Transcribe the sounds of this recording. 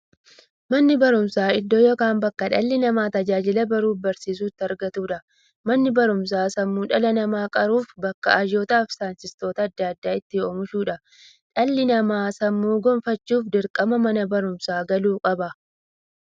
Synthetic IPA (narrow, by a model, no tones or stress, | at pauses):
mɐnːɪbɐɾʊmsaːɪd̪ːoːjɔkaːnbɐkːɐᶑɐlːɪnɐmaːt̪ɐd͡ʒaːd͡ʒɪlɐbɐɾuːfbɐɾsiːs̬uːt̪ːɪɐɾɡɐt̪uːᶑɐ | mɐnːɪbɐɾʊms̬aːsɐmːuːᶑɐlɐnɐmaːkʼɐɾuːfbɐkːɐɐʒoːt̪aːfsaːnsɪst̪o̞ːt̪ɐːd̪ːaɐd̪ːaːɪt̪ːɪoːmʊʃuːᶑɐ | ᶑɐlːɪnɐmaːsɐmːuːɡɔmfɐt͡ʃːuːfd̪ɪɾkʼɐmɐmɐnɐbɐɾʊmsaːɡɐluːkʼɐbɐ